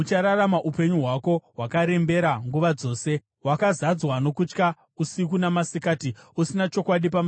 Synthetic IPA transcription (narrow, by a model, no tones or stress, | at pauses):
ut͡ʃaɾaɾamaʔupe̞ɲuɦwako̞wakaɾe̞mbe̞ɾaŋɡuʋad͡zo̞ːse̞ | wakazad͡zwano̞kut͡ʃka | usik̬unamasikaːtiusinat͡ʃo̞kwaɗipam